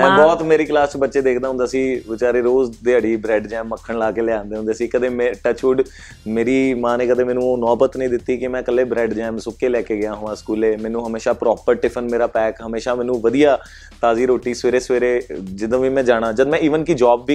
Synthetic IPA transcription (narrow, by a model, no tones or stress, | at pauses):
mɛ̃ːbɔːt̪meːɾiːklaːst͡ʃbətːʃeːd̪eːkʰd̪aːɦʊ̃nd̪aːsiːʋɪt͡ʃaːɾeːɾoːzd̪ɪaːɽiːbɾɛːɖd͡ʒɛːmːəkʰːəɳlaːkeːlɪãːnd̪eːɦnd̪eːsiːkəd̪eːmɛ̃ːʈət͡ʃuːɖ | meːɾiːmãːnẽːkəd̪eːmɛːnũːonɔːbət̪nəĩːd̪ɪt̪ːiːkɪmɛ̃ːkəlːeːbɾɛːɖd͡ʒɛːmsʊkːeːlɛːkeːɡɪjaːɦʊʋãːskuːleːmɛːnũːɦəmeːʃaːpɾɔːpəɾʈɪpʰənmeːɾaːpɛːkɦəmeːʃaːmɛ̃ːnũːʋəd̪ijaː | t̪aːziːɾoːʈiːsʋeːɾeːsʋeːɾeːd͡ʒɪd̪õːʋiːmɛ̃ːd͡ʒaːɽ̃ãːd͡ʒəd̪mɛ̃ːiːʋənkɪd͡ʒɔːbʋiː